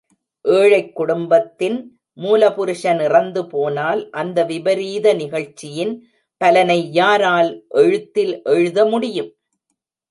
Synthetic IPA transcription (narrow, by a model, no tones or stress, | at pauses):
ʔeːɻɐɪkːʊɽʊmbɐt̪ːɪn | muːlɐpʊɾɯʂɐnɪrɐnd̪ɯpoːnaːlʔɐnd̪ɐʋɪbɐɾiːðɐnɪɣɐɻt͡ʃːɪjɪn | pɐlɐnɐɪjaːɾaːlʔɛɻɯt̪ːɪlʔɛɻɯðɐmʊɽɪjɯm